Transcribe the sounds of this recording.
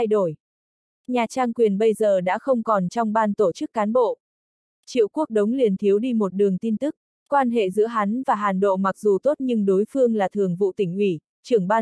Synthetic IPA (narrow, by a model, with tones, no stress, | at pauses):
a˧jɗo˧˩j | ɲaː˨˩t͡ɕaː˧ŋkwi˨˩ənɓə˧jzəː˨˩ɗa̰ː˧˥xə˧wŋ͡mkɔ˨˩nt͡ɕɔ˧wŋ͡mɓaː˧nt̪o˧˩t͡ɕɨ˦˥kːaː˨˦nɓo̰˧˨ | t͡ɕḭ˧˨wku˦˥ək̚ɗə˨˦wŋ͡mli˨˩ənt̪ʰi˨˦əwɗi˧mo˨˩t̚ɗɨ˨˩əŋt̪i˧nt̪ɨ˦˥k̚ | kwaː˧nɦḛ˧˨zɨ̰˧˥əɦa˨˦nvaː˨˩ɦaː˨˩nɗo̰˧˨ma˨˩k̚zu˨˩t̪o˦˥t̚ɲɨ˧ŋɗo˨˦jfɨ˧əŋlaː˨˩t̪ʰɨ˨˩əŋvṵ˧˨t̪ï˧˩ŋ̟ʔwi˧˩ | t͡ɕɨ˧˩əŋɓaː˧